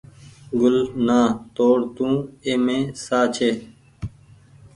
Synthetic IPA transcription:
ɡʊlnãːt̪oːɽt̪ũːeːmẽːsaːt͡ʃʰeː

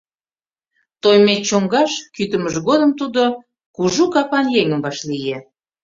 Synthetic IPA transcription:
t̪ojmet͡ɕoŋɡɑʃkyt̪ə̆məʒɡod̪əmt̪ud̪o | kuʒukɑpɑnjeŋəmbɑʃlijĕ

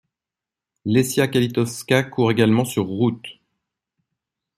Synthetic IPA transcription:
lesjakalit̪ɔfskakʰuʁeɡalmɑ̃syʁːut̪

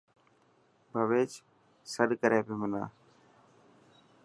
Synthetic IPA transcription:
bʱəʋeːt͡ʃ | səɗkəɾeːbɪməna̰ː

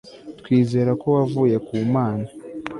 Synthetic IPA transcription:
tkwiːze̞ɾako̞wavuːje̞kuːmaːna

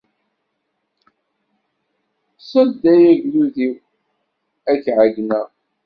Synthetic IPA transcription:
sˤɑld̪æjæʝluðiw | æçʕaɡnæ

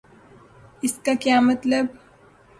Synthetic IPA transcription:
ɪskakjaːmɐt̪ləb

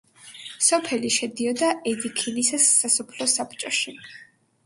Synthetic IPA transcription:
sɔpʰɛliʃɛd̪iɔd̪aɛd̪ikʰɛnisasːasɔpʰlɔsapt͡ʃʼɔʃi

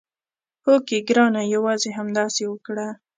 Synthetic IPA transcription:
hokeɡɾɑnajawɑzeɦamd̪ɑsewəkɽa

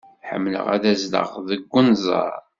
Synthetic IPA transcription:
ħə̰mːlə̰ʁæðæzlə̰ʁðəɡʷːənzˤɑ̰ɾˤ

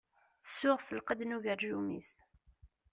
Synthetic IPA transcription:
θsːʊʁsəlqəd̪nuʝəɾʒumḭs

